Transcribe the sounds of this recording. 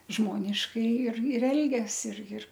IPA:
ˈʒmoːnʲɪʃkɐɪ ɪr ɪr ˈɛlʲɡʲɛs ɪr jɪr

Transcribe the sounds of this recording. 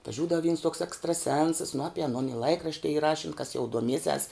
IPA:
ɐtʋɐˈʒʲuːdɐʋoː ʋʲiːns toːks ɛkstrɐˈsʲɛnsɐs nʊ ˈɑːpʲɪ ɐˈnoːn ɪ ˈlˠɐɪkrɐʃʲtʲɪ iː ˈrɑːʃʲɪn kɐs jɛʊ duɔˈmʲiɛsʲɛs

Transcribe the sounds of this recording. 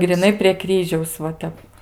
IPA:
ɡrʲɪˈnɐɪ pʲrʲiɛ ˈkrʲiːʒʲɛʊs ʋɐ ˈtʲɛp

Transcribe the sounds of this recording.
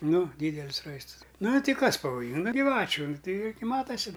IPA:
ˈnʊ ˈdʲiːdʲɛlʲɪs ˈrɐɪstəs ˈnʊ ˈtʲɪ ˈkɐs pɐʋoːˈjɪŋɡɐ ɡʲɪˈʋɑːt͡ʃʲʊ ˈnʊ ˈtʲɛɪ ɪ ɡʲɪ ˈmɑːtɐsʲɪ

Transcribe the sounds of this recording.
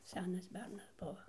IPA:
ˈsʲæːnɐs ˈbʲɛrnɐs ˈbʊʋɐ

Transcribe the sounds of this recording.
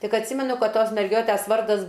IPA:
ˈtʲɪk ɐtʲˈsʲiːmʲɛnʊ ˈkɐt ˈtoːs mʲɛrʲˈɡʲoːtʲæs ˈʋɐrdɐs

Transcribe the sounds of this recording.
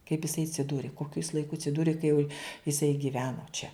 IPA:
kɐɪp ɪsɐɪ ɐtʲsʲɪˈduːrʲɪ ˈkoːkʲʊ ɪs lˠɐɪˈkʊ ɐtʲsʲɪˈduːrʲɪ kɐ jɛʊ ɪˈsɐɪ ɡʲɪˈʋʲæːnoː t͡ʃʲɛ

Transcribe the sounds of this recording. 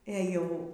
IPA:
eː ˈjɛʊ

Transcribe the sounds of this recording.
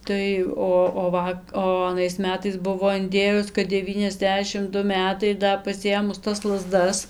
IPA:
ˈtɐɪ ˈoː oː ˈʋɐ oː ɐˈnɐɪs ˈmʲæːtɐɪs ˈbʊʋoː ɪnʲˈdʲeːjʊs kɐt dʲɛˈʋʲiːnʲɛzʲˌdʲæːʃʲɪm ˈdʊ ˈmʲæːtɐɪ ɪr ˈdɐ pɐsʲɪˈeːmʊs tɐs lˠɐˈzdɐs

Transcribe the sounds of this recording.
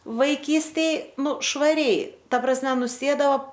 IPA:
ʋɐɪˈkʲiːsʲtʲeːj ˈnʊ ʃʋɐˈrʲɛɪ ˈtɐ prɐsʲˈmʲɛ nʊˈsʲeːdɐoː

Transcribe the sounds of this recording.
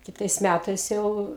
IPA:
kʲɪˈtɐɪs ˈmʲætɐɪs ˈjɛʊ

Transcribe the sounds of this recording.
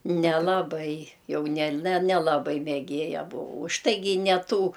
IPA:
nʲɛlˠɐˈbɐɪ ˈjɛʊ nʲɛlʲ nʲɛ nʲɛlˠɐˈbɐɪ mʲɛˈɡʲeːjɛ bʊˈʋɐʊ ʊʃ ˈtɐɪɡʲɪ ɪ nʲɛ ˈtuː

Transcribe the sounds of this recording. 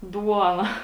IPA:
ˈduɔnɐ

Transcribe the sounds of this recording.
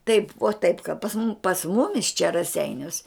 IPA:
tɐɪp ʋoː tɐɪp kɐ pɐs mʊm pɐs ˈmʊmʲɪs t͡ʃʲɛ rɐˈsʲɛɪnʲuɔs

